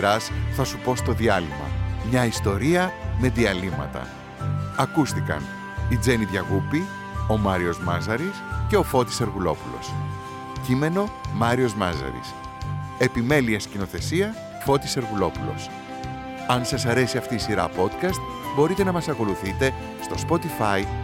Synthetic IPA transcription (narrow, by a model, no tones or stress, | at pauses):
ɾɐsθɐsupo̞st̪o̞ðiɐlimɐ̰mɲɐist̪o̞ɾiɐme̞ðiɐlimɐ̰t̪ɐ̰ | ɐkust̪ikɐ̰n | id͡ze̞niðʝɐɣupi | o̞mɐɾio̞zmɐzɐɾisce̞o̞fo̞t̪i̥seɾɣulo̞̰pulo̞̰s | cime̞no̞mɐɾio̞zmɐ̰zɐ̰ɾḭs | e̞pime̞liɐscino̞θe̞siɐ | fo̞t̪i̥se̞ɾɣulo̞pulo̞̰s | ɐnsɐsɐɾe̞siɐft̪iːsiɾɐ̰po̞t̪kɐst̪̚ | bo̞ɾit̪e̞nɐmɐsɐko̞luθit̪e̞ | st̪o̞spo̞t̪ifɐi